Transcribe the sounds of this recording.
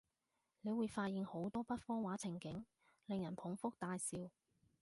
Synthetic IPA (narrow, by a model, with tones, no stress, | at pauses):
ne˨˧jwuː˨˧jfaː˧t̚ji˨˧ŋho˨˥wt̪ɔː˥pɐ˥t̚fɔː˥waː˨˥t͡sʰɪ˨˩ŋkɪ˨˥ŋ | lɪ˨ŋjɐ˨˩npʰʊ˨˥ŋfʊ˥k̚t̪aː˧jsiː˧w